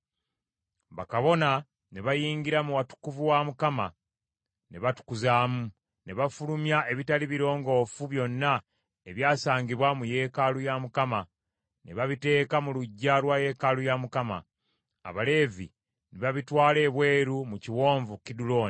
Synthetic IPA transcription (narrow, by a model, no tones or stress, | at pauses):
βa̰kaβo̞na | ne̞βajiːɲɡiɾamuwatu̥kuvuwamukama | ne̞βatu̥kuzaːmu | ne̞βafulumjaʔe̞βitaliβiɾo̞ːŋɡo̞ːfuβjo̞nːa | eβjaːsaːɲɟiβwamuje̞kalujamukama | ne̞βaβite̞ːkamuluɟːalwaje̞kalujamukama̰ː | βale̞ːvḭ | neβaβitwaːle̞βwe̞ːɾumuciwo̞ːɱvukidulo̞ːn